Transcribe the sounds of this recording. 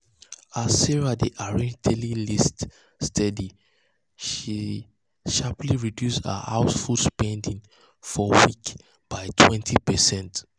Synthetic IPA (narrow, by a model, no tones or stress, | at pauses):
asɛɹadiʔaɹĩdʰelilist | stʰɛdi | ʃi | ʃapliɹidjusə̰ha̰ʊsfudspɛ̃ndĩŋ | fɔwik | b̥aɪtʰwɛ̃ntʰipɛsɛ̃nt